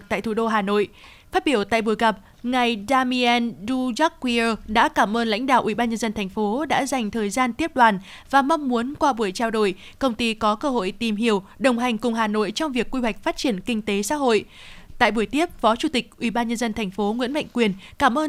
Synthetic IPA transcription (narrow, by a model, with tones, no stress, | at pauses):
t̪a̰ː˧˨jt̪ʰu˨˩ɗo˧ɦaː˨˩no̰˧˨j | faː˦˥t̚ɓi˧˩əwt̪a̰ː˧˨jɓu˧˩əjɣa˨˩p̚ | ŋa˨˩jɗaː˧mi˧ɛ˧nɗu˧za˦˥k̚wi˧əː˧ɗa̰ː˧˥kaː˧˩mʔəː˧nla̰˧˥jŋ̟ɗa̰ː˧˨wʔi˧˩ɓaː˧nɲə˧nzə˧nt̪ʰɛ˨˩jŋ̟fo˨˦ɗa̰ː˧˥za˨˩jŋ̟t̪ʰəː˨˩jzaː˧nt̪i˦˥əp̚ɗwaː˨˩n | vaː˨˩ma˧wŋ͡mmu˨˦ənkwaː˧ɓu˧˩əjt͡ɕaː˧wɗo̰˧˨j | kə˧wŋ͡mt̪i˧kɔ˨˦kəː˧ɦo̰˧˨jt̪i˨˩mɦi˧˨əwɗə˨˩wŋ͡mɦa˨˩jŋ̟kʊ˨˩ŋ͡mɦaː˨˩no̰˧˨jt͡ɕɔ˧wŋ͡mvi˨˩əkːwi˧ɦwa˨˩jk̟̚faː˦˥t̚t͡ɕi˧˩ənkï˧ŋ̟t̪e˨˦sa̰ː˧˥ɦo̰˧˨j | t̪a̰ː˧˨jɓu˧˩əjt̪i˦˥əp̚fɔ˨˦t͡ɕu˧˩t̪ï˨˩k̟̚ʔwi˧˩ɓaː˧nɲə˧nzə˧nt̪ʰɛ˨˩jŋ̟fo˨˦ŋwḭ˧˥ənma̰˧˨jŋ̟kwi˨˩ən | kaː˧˩mʔəː˧